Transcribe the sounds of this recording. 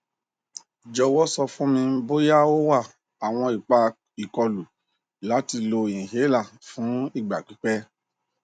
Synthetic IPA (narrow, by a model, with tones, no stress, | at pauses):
d͡ʒɔ˧wɔ˦sɔ˧fũ˦mĩ˧m̩˦bo˦ja˦o˦wa˦˨ | a˨w̃ɔ̃˧i˨k͡pa˧ | i˨kɔ˧lu˨ | la˨˦ti˧lo˧i˨ĩ˨ɦe˨˦la˦˨fũ˨˦i˦˨ɡ͡ba˨k͡pi˨˦k͡pɛ˦